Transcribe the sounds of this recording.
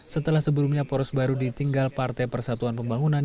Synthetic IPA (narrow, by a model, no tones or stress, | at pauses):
sət̪əlahsəbəlumɲapɔɾɔsbaɾudit̪iŋɡalpart̪ajpərsat̪uanpəmbaŋunan